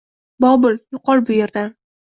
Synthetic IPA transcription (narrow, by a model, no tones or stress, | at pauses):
bɒbʊljʊqʰɒlˠbʊje̞ɾd̪an